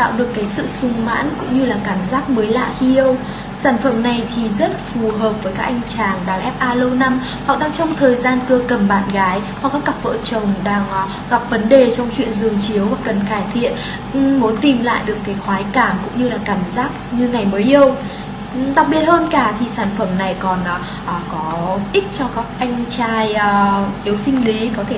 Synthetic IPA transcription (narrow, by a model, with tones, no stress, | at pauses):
a̰ː˧˨wɗɨ˨˩əkːaː˨˦jsɨ̰˧˨sʊ˧ŋ͡mma̰ː˧˥nkʊ̰˧˥ŋ͡mɲɨ˧laː˨˩kaː˧˩mzaː˦˥k̚məː˨˦jla̰ː˧˨xi˧ʔə˧w | saː˧˩nfə˧˩mna˨˩jt̪ʰi˨˩zə˦˥t̚fu˨˩ɦəː˨˩p̚vəː˨˦jkaː˦˥k̚ʔa˧jŋ̟t͡ɕaː˨˩ŋɗaː˨˩ŋʔɛ˦˥p̚ʔaː˧lə˧wna˧m | hk̚ɗaː˧ŋt͡ɕɔ˧wŋ͡mt̪ʰəː˨˩jzaː˧nkə˧kə˨˧˩mɓaː˧˨nɣaː˨˦jhɔ˨˩kaː˦˥k̚ːa˨˩p̚və̰ː˧˨t͡ɕə˨˩wŋ͡mɗaː˧ŋ | ɣa˨˩p̚və˨˦nɗe˨˩t͡ɕɔ˧wŋ͡mt͡ɕwḭ˧˨ənzɨ˨˩əŋt͡ɕi˨˦əwvaː˨˩kə˨˩nkaː˧˩jt̪ʰḭ˧˨ən | ʔ̩˨˩mo˨˦nt̪i˨˩mla̰ː˧˨jɗɨ˨˩əkːaː˨˦jxwaː˨˦jkaː˧˩mkʊ̰˧˥ŋ͡mɲɨ˧laː˨˩kaː˧˩mzaː˦˥k̚ɲɨ˧ŋa˨˩jməː˨˦jʔi˧ə˧w | ɗa˨˩t̚ɓi˨˩ət̚həː˧nkaː˧˩t̪ʰi˨˩saː˧˩nfə˧˩mna˨˩jkɔ˨˩nʔ | ʔəː˨˩kɔ˨˦ʔï˦˥k̚t͡ɕɔ˧kaː˦˥k̚ʔa˧jŋ̟t͡ɕaː˧jʔːʔi˨˦əwsï˧ŋ̟li˨˦kɔ˨˦t̪ʰe˧˩